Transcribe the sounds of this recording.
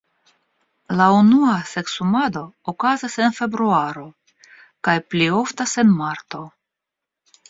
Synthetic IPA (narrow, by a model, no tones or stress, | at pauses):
launuase̞ksumado̞ːkazase̞nfe̞bɾuaɾo̞ | kajplio̞ftase̞nmaɾto̞